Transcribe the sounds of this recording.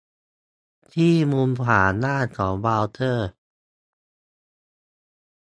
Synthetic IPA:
t̪ʰiː˥˩muː˧npʰaː˩˧nnaː˥˩t̪̚kʰɔː˩˦ŋbaː˧wt̪ʰɤː˥˩

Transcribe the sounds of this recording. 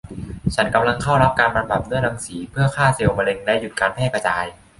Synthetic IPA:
t͡ɕʰa˦˥nka˧mla˧ŋkʰa˥˩wɾa˦˥p̚kaː˧nba˧mba˨˩p̚nɯ˦˥˩əɾa˧ŋsiː˩˦pʰɯ˥˩ɐkʰaː˥˩si˨˩wma˧le˧ŋlɛ˦˥ju˨˩t̪̚kaː˧npʰɛː˥˩ka˧t͡ɕaː˧j

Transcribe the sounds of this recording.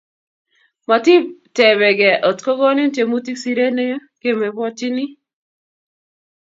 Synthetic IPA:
ma˨ti˦p̚tɛ˨bɛ˨ɡɛ˨ʔo˨tko˦ɡɔ˦nɪ˦n˦te˨mu˦ti˦ksi˦ɾe˦ne˦ke˦me˨bɔ˦ti˦nɪ˦

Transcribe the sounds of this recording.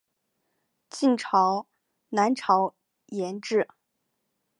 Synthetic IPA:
t͡ɕi˥˩nʈ͡ʂʰɑ˧˥ʊ | na˧˥nʈ͡ʂʰɑ˧˥ʊ | jɛ˧˥nʈ͡ʂɻ̩˥˩

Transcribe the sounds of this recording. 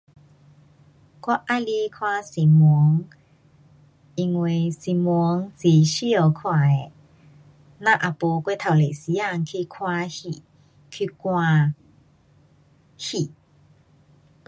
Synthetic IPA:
kwa˦ʔa˦li˦kʰwã˦si˨mu˧ə˦ŋ | i˧ŋwe˧˩si˧˨mu˧ə˦ŋt͡si˨˩ɕi˦ɔ˨˩kʰwa˨˩e˨ | nã˦˧˨ʔa˨po˧kwe˥˦˨t̪ʰa˨˩wle˨si˧˦a˧˨ŋkʰi˧kʰwa˧hi˨ | kʰi˧kwã˧ | hi˨˩˨

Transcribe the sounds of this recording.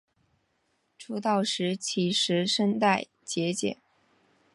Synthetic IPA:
ʈ͡ʂʰu˧˥t̪ɑ˥˩ʊʂɻ̩˧˥t͡ɕʰi˧˥ʂɻ̩˧˥ʂə˥nt̪a˥˩ɪ | t͡ɕjɛ˧˥t͡ɕjɛ̰˨˩˦n

